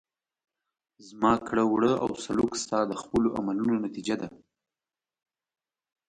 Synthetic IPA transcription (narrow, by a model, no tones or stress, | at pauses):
zmɑkɽəwɽəa̰wsalukst̪ɑd̪əxpəloʔa̰malunonat̪id͡ʒad̪a